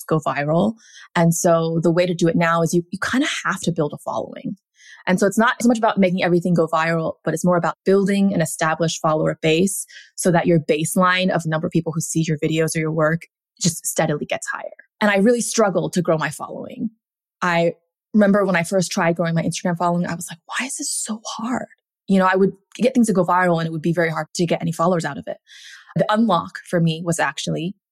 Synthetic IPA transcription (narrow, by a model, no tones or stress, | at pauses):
ɡ̥oʊvaɪɹl̩ˠ | ɨ̃nsoʊðəweɪɾɨdɨɨtⁿnaʊɨzjɨjɨkʰãɪ̃ndɨ̥hæftɨbɪlˠdəfɑ̰lˠo̰ʊɪ̰̃ŋ | ʔɨ̃nsoʊətsnəɾsomʌt͡ʃəbaʊt̚meɪk̬ɪ̃ŋɛvɹiθɪ̃ŋɡoʊvaɪɹl̩ˠb̥ʌɾɨtsmɔɹəbaʊt̚b̥ɪlˠdɪ̃ŋɨ̃nɨstæbləʃfɑlˠoʊə˞b̥eɪsːoʊðɨt͡ʃə˞beɪslãɪ̃nʌ̰vənʌ̃mbə˞ʌv̥pʰipl̩ˠhʉsijə˞vɪɾioʊzə˞jə˞wɜ˞k | d̥ʒ̥ʌststɛɾɨlˠiɡɛtsha̰ɪə̰˞ʔɨ̃ɾ̃aɪɹɪlˠistɹ̥ʌɡl̩ˠd̚tʰɨɡɹoʊmaɪfɑ̰lˠo̰ʊɪ̰̃ŋ | ʔaɪ | ɹɪmɛ̃mbə˞wə̃ɾ̃aɪfɜ˞stʰɹ̥aɪd̚ɡɹoʊɪ̃ŋmaɪɪ̃nstəɡɹæ̃ɱfɑlˠoʊɪ̃ŋa̰ɪwʌz̥laɪk̚waɪɨz̥ðɪssoʊhɑɹd̥ | jɨñoʊaɪwəd̚ɡ̥ɛt̪̚θɪ̃ŋz̥tʰɨɡoʊvaɪɹl̩ˠə̃ɾ̃ɨt̚wəd̚bivɛɹiɦɑɹd̚tʰɨɡɛɾʔɛ̰ñifɑlˠoʊə˞zaʊɾʌvɪ̰t̚ðiʔʌ̃nlɑ̰kfə˞miwʌzæk̚t͡ʃul̩ˠi